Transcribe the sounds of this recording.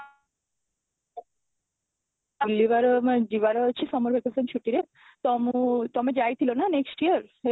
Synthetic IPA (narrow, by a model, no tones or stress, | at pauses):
liβaɾod͡ʒiβaɾoat͡ɕʰisɔmoɾbʱekesent͡ʃʰuʈiɾe | t̪ɔmut̪ɔmed͡ʑajt̪ʰilonaneksʈiəɾe